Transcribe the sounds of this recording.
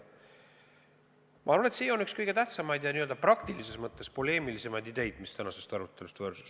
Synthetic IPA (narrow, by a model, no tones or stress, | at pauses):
mʔɑɑɾɑnet̪siːo̞nykskɤjɡ̥e̞t̪æht̪sɑmɑjd̪jɑniøld̪ɑprɑkt̪ilise̞smɤt̪ˑːe̞spo̞le̞ːmilise̞mɑjd̪id̪e̞jd̪̥mist̪ænɑse̞st̪ɑɾut̪ːˑe̞lust̪vɤːrsu̥s